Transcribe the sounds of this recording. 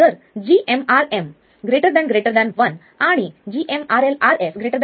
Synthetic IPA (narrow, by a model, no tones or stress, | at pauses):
t̪əɾ | d͡ʑiʔemaɾem | ɡɾeʈəɾd̪ãnɡɾeʈəɾd̪anʋən | aɽ̃id͡ʑiʔemaɾelaɾesɡɾeʈəɾd̪a